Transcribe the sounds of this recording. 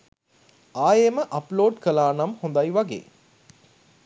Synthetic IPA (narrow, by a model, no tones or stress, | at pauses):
aːjeməʔɐploːɖkəlaːnamhõnd̪ajʋaɡḛː